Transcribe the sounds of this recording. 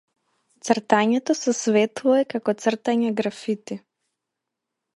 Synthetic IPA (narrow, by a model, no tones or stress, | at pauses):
t̪sr̩t̪aɲɛt̪ɔsɛsvɛt̪lˠɔɛkakɔt̪sr̩t̪aɲɛɡɾafit̪i